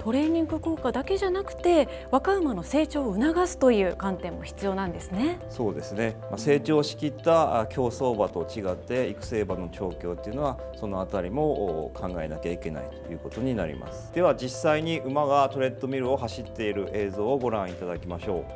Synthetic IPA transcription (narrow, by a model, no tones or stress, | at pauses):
t̪o̞ɾe̞ːɲ̟ĩŋɡɯ̟ko̞ːkad̪ake̞ʑanakɯ̟̥t̪e̞ | βakaɯ̟mano̞se̞ːt͡ɕo̞ːɯ̟naɡasɨ̥t̪o̞jɯ̟ːkãnt̪ẽ̞mːo̞çi̥t͡sɨjo̞ːnãnd̪e̞sɨne̞so̞ːd̪e̞sɨne̞mase̞ːt͡ɕo̞ːɕi̥kʲit̪ːakʲʰo̞ːso̞ːbat̪o̞t͡ɕiɡat̪ːe̞ikɯ̟̥se̞ːbano̞t͡ɕo̞ːkʲo̞ːt̪ːeiɯ̟noβa | so̞no̞at̪aɾʲimo̞kʰãŋɡae̞nakʲaike̞na̰it̪o̞jɯ̟ːko̞t̪o̞ɲ̟ina̰ɾʲḭmʔa̰sɨ̥d̪̥e̞βad͡ʑisːaiɲ̟iʔɯ̟maɡat̪o̞ɾe̞t̪ːo̞mʲiɾɯ̟o̞ɦaɕit̪ːe̞iɾɯ̟ʔe̞ːzo̞ːɡo̞ɾãɰ̃it̪ad̪akʲimaɕo̞ː